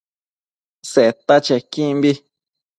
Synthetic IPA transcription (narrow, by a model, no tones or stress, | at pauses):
seʔet̪at͡ʃekĩmbi